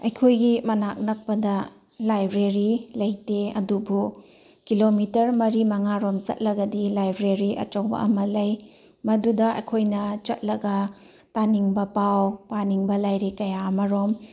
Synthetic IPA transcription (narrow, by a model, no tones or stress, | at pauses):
ɐjkʰojɡimɐnak̚nɐk̚pɐdɐ | lajbɾeɾilɐjteɐ̰dubu | kilomitɐɾmɐɾimɐŋaɾomt͡ʃɐ̰t̚lɐɡɐdilajbɾeɾiʔɐ̰t͡ʃowbɐ̰ʔɐ̰mɐlɐj | mɐdudɐɐ̰jkʰojnɐt͡ʃɐt̚lɐɡɐ | taniŋbɐpawpaniŋbɐlajɾekɐjaɐmɐɾom